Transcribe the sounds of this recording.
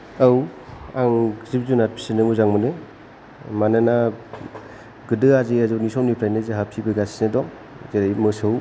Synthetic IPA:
awaŋzip̚zunat̚pʰi̥sinɯmuzaŋmɯnɯ | manɯna | ɡɯdɯaziazɯnisɔwnipʰɾajnezeɦapʰibɯɡasinedɔŋ | zeɾajmɯsɯw

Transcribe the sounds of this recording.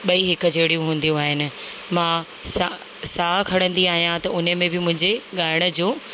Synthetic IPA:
ɓɐiɦɪkəd͡ʑeːɽijũɦũːn̆d̪ijũaːɦɪnɪ̆ | mãː | sa | saːkʰɐɽə̃nd̪iaːɦijãt̪ɐʊnəmẽbɪmʊ̃ɦɪ̃ɲd͡ʑeɠaːɪɽ̃ə̆d͡ʑoː

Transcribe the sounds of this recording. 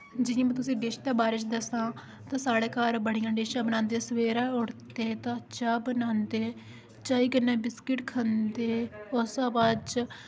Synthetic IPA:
d͡ʒɪãːmɛ̃ːt̪ʊsĩːɖeːʃd̪aːbaːɾɪt͡ʃd̪əsãː | t̪ãːsaːɽeːkaːɾbəɽijãːɖeːʃãːbənãːnd̪eːsəʋeːɾaːʊɽt̪eːt̪ãːt͡ʃaːbənãːnd̪eː | t͡ʃaːiːkənɛ̃ːbɪskɪʈkʰənd̪eːʊsãːbad͡ʒ

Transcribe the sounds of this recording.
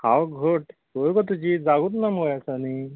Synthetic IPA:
hãwɡʱoʈkokɔt̪ud͡ʑid͡zaɡut̪naməjasani

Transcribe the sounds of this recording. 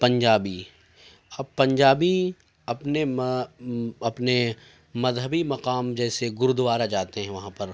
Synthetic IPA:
pɐ̃ɲd͡ʒaːbi | ɐb̚pɐ̃ɲd͡ʒaːbi | ɐpne | ɐpne | mɐzɦəbimɐqaːmd͡ʒɛːseɡʊɾd̪ʊʋaːɾad͡ʒaːt̪eɦɛ̃ʋɐɦãpɐɾ

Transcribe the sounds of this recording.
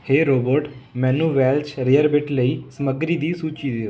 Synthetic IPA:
heːɾoːboɾʈmɛ̃ːnũːʋɛːlt͡ʃɾeːəɾbɪʈləiːsəməɡɾiːd̪iːsuːt͡ʃiːd̪eːo

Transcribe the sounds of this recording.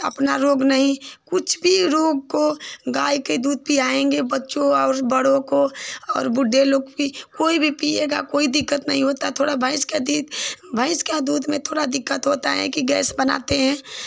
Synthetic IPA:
ɐ̰pnaɾoːɡnɐɦĩkʊt͡ʃʰbʱiɾoːɡkoɡaːiked̪uːd̪̚piaːẽŋɡebɐtːʃõɔːɾbəɽõkoɔ̰ːɾbʊɖʱːeloːɡpikoːibʱipieːɡa̰koːid̪ɪkːət̪nɐɦĩɦoːt̪at̪ʰoːɽabʱə̃ɪsked̪iːbʱəɪskad̪uːd̪ʱmẽt̪ʰoːɽad̪ɪkːət̪ɦoːt̪a̰ɦɛ̰kiɡɛ̰ːsbəna̰ːt̪eɦɛ̃ː

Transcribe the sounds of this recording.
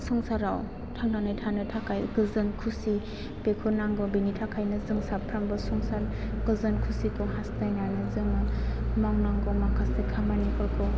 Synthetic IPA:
sɔŋsaɾaw | tʰaŋnanɯjtʰanɯtʰakʰajɡɯzɯnkʰusi | pekʰɔnaŋɡɔbinitʰakʰajnɯzɯŋsapʰɾambɯsɔŋsaɾɡ̥ɯzɯnkʰusikʰɔɦastajnanɯzɯŋɯmawnaŋɡɔmakʰasekʰamanikʰɔɾkʰɔ

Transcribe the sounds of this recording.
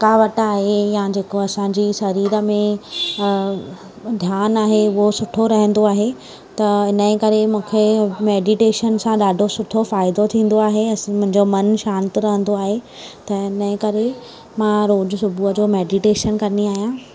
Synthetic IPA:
kaːʋɐʈaːɦejãd͡ʑeːkoɐsãɲd͡ʑisɐɾiːɾə̆mẽ | d̪ʱjaːnaːɦeʊɦosʊʈʰoɾɐɦə̃n̆d̪oaːɦe | t̪ɐɪnəẽkɐɾemũːkʰemeːɖiʈeːʃənsãɗaːɖʱosʊʈʰofaːɪd̪ot̪ʰĩːn̆d̪oaːɦeɐmʊ̃ɦɪ̃ɲd͡ʑomɐnʃãːnt̪ɾɐɦə̃nd̪oaːɦe | t̪ɐɪnəẽkɐɾe | mãɾoːd͡ʑsʊbʱuəd͡ʑoːmeːɖiʈeːʃənkɐniaːɦijãː

